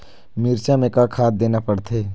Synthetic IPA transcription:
miɾt͡ʃamẽkakʰaːt̪̚d̪eːnapəɽt̪ʰeː

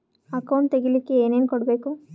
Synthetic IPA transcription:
ɐkɐwɳʈt̪eɡilikːeeːne̞ːnkɔɽɐbe̞ːku

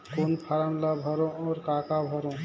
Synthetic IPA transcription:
koːnpʰaɾənlabʱəɾõɔːɾkaːkabʱəɾõ

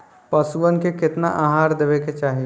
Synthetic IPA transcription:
pɐsuənkekɪt̪naʔaːɦaːɾd̪eːʋeket͡ʃaːɦi

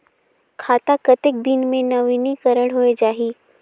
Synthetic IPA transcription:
kʰaːt̪akət̪ek̚d̪inmẽnɐʋinikəɾəɽɦoed͡ʒaːɦi

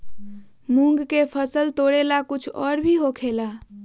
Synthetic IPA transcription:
mũŋɡkepʰəsəlt̪oɽelakʊt͡ʃʰɔːɾbʱiɦokʰela

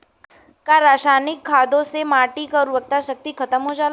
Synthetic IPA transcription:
kaɾaːʃaːnɪkʰːaːd̪õsemaːʈikɔːɾuʋək̚t̪aʃək̚t̪ikʰɐt̪əmɦod͡ʒaːl

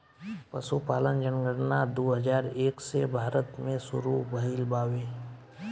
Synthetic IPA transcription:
pəsupaːlənd͡ʒənɡəɽnad̪oːɦəd͡ʒaːɾeːksebʱaːɾət̪mẽsʊɾubəɦiːlbaːweː

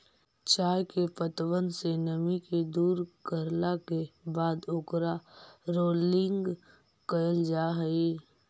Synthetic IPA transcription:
t͡ʃaːjkepət̪wənsenəmiked̪uːɾkəɾlakebaːd̪ʊkɾaɾoːlɪ̃ŋɡ | kəjəld͡ʒaːɦəi

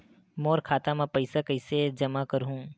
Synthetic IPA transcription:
moːɾkʰaːt̪amãpɐɪsakəɪsed͡ʒɐmakəɾɦũː

